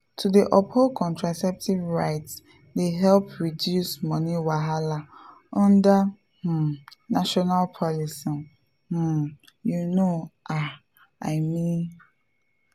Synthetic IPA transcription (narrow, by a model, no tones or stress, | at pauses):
tʰudiʔɔpholkʰɔ̃ntɹasɛp̚tʰivɹaɪts | deɦɛlpɹidjusmʌ̃niwaɦala | ʔʌ̃nda | h̩naʃɔnalpʰɔlisĩm | h̩ | junoʔa | aɪmĩn